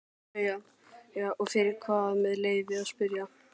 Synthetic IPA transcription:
ja | jaːʔɔɣfɪɾɪɾkʰvaːðmɛðleːjvɪaðspʏɾja

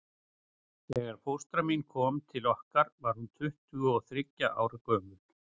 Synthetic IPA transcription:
ɛːɣaɾ̥fowst̪ɾaminkʰɔːmt̪ʰɪlɔhkaɾvaɾ̥hunt̪ʰʏht̪ʏɔθɾɪcːaʔa̰ːwɾakœːmʏl̥

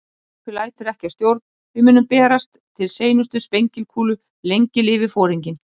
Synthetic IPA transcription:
ɛɛkʏlaːjt̪ʏɾɛhcḁst̪jowɾt̪̚n | vɪmʏːnʏmpɛːɾast̪ʰːɪlseːjnʏst̪ʏspejɲcɪlkʰuːlʏ | lejɲcɪlɪːvɪfɔːɾiɲcɪn

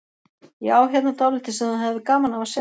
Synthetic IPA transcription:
iaːwçjɛt̪nat̪ʰɔlɪt̪ɪsɛmanɦɛvðɪkaːmanavasɛ

